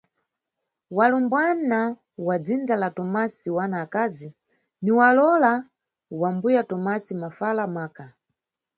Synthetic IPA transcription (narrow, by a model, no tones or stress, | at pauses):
walumbwana | wad͡zind͡zalatɔmasiwanaːkazi | niwalɔla | wambujatɔmasimafalamaːka